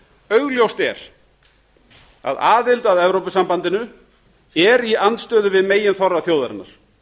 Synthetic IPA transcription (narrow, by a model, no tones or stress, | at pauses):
œɥɣljowst̪ɛ̰ɾ̥ | a̰ðaːðɪlt̪aðɛvɾowpɪsampant̪ɪnʏ | ɛɾiant̪st̪œːðʏvɪðmeːjɪnθɔrːaθjowðaɾɪ̰nːa̰ɾ̥